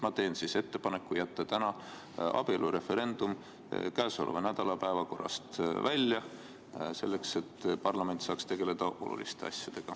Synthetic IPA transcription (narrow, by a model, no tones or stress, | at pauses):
mɑt̪e̞ːnsise̞t̪ːe̞pɑne̞kːˑujæt̪ːɑt̪ænɑ | ɑ̰b̥ielʔuɾe̞fe̞ɾe̞nd̪̥um | kæːso̞̰lvɑnæd̪̥ɑlɑpæevɑko̞rːɑ̰st̪vælʲjɑ | se̞̰lːe̞kse̞t̪ːpɑrlɑme̞nt̪sɑːkst̪e̞ɡ̥e̞le̞d̪̥ɑʔo̞̰lṵlist̪e̞ɑsʲjɑd̪̥e̞ɡ̥ɑ